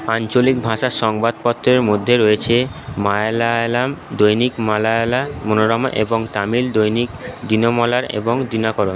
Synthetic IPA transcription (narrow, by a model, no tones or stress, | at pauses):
ant͡ɕolikbʱaʃaʃɔŋbad̪̚pɔt̪ːɾeɾmod̪ʱːeɾojet͡ɕʰemalalamd̪ojnikmalalamonoɾɔmʔḛboŋt̪amild̪ojnikd̪inomɔlaɾḛboŋd̪inakɔɾon